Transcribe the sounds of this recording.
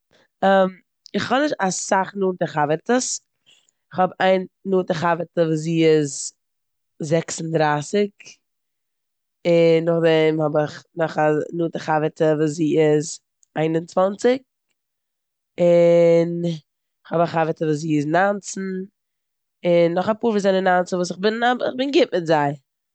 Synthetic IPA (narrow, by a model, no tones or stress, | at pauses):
ɛm | ɪχhɔnɪʃtasaχnuːtəχavəɾtəs | ɪχhɔbaɪnnuːtəχavətəvuːs̬iːɪz | zɛksn̩dɾaːsɪk | ɪnːʊχdɛmhɔbɪχnɔχanuːtəχavətəvuːs̬ziːɪz | aɪnʊnt͡svant͡sɪk̚ | ɪn | ɪχhɔbaχavətəvuːs̬ziːɪznant͡sn̩ | ɪnːɔχapuːɾviːzaɪnənant͡səvuːs̬ɪχbɪnabɪχbɪnɡɪp̚mɪtzaɪ